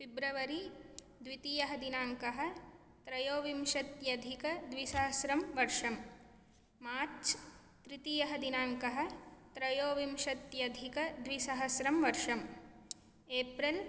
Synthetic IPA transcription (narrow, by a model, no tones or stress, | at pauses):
fibɾɐʋɐɾi | d̪ʋit̪ijɐɦɐd̪inaːŋkɐɦɐ̆ | t̪ɾɐjoːʋimʃɐt̪jɐd̪ʱikɐd̪ʋisɐɦɐsɾɐmʋɐɾʂɐm | maːɾt͡ʃ | t̪ɾit̪ijɐɦɐd̪inaːŋkɐɦɐ̆t̪ɾɐjoːʋimʃɐt̪jɐd̪ʱikɐd̪ʋisɐɦɐsɾɐmʋɐɾʂɐm | eːpɾɐl